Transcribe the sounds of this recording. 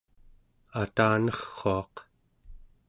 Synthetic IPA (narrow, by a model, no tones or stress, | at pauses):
at̪aːnʌχːoɑq